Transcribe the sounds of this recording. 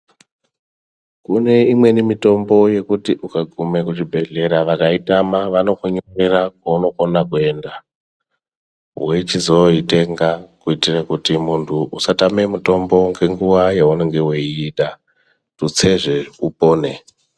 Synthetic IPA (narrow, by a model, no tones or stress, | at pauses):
kune̞imwe̞nimito̞mbo̞je̞kutiʔukaɡʱume̞kut͡ʃibʱe̞ɮe̞ɾaʋakaitamaʋano̞kuɲomeɾakwauno̞konakue̞nda | weit͡ʃizoite̞ŋɡakuitirakutimuntʰuusatame̞muto̞mbo̞ŋɡe̞ŋɡuwajeuneŋɡeweiiɗa | tut͡se̞ʐe̞upo̞ːne̞